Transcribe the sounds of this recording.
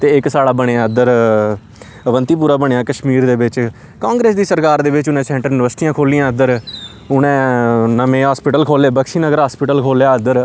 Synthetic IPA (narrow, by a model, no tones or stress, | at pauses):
t̪eːɪksaːɽaːbəɽeãːəd̪əɾ | ʋənt̪iːp̬uːɾaːbəɳejãːkəʃmiːɾd̪eːbɪt͡ʃ | kãːŋɡɾeːsd̪iːsəɾkaːɾd̪eːʋɪt͡ʃʊnẽːsɛ̃ːɳʈəɾɪʋəsʈ̪ijãːkʰoːlijãːəd̪əɾ | ʊnẽːnəmẽːɦaːspɪʈəlkʰoːleːbəkʃiːnəɡəɾɦaːspɪʈəlkʰoːljaːəd̪əɾ